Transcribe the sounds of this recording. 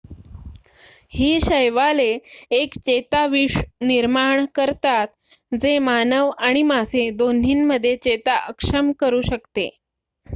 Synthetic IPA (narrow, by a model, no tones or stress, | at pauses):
hiːɕəjʋaleːkt͡ɕet̪aʋiʂniɾmaɳkəɾt̪at̪̚ | d͡zemanəʋaɽ̃imased̪on̤iːnməd̪ʱːjet͡ɕet̪aʔəkʂəmkəɾuːɕəkt̪e